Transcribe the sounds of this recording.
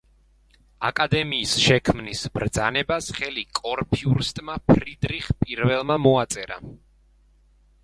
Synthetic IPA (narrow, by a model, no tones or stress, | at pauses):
akʼad̪ɛmiːsʃɛkʰmnisbɾd̪zanɛbasχɛlikʼɔɾpʰiuɾst̪ʼmapʰɾid̪ɾiχpʼiɾvɛlˠmamɔat̪sʼɛɾa̰